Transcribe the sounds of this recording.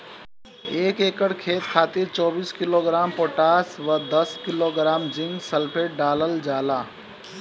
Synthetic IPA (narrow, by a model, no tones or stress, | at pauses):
eːkeːkəɽkʰeːt̪kʰaːt̪ɪɾt͡ʃɔːbiːskɪloːɡɾaːmpoːʈaːsʋəd̪ɐskɪloɡɾaːmd͡ʒɪ̃ŋɡsəlpʰeːʈ̚ɖaːləld͡ʒaːlaː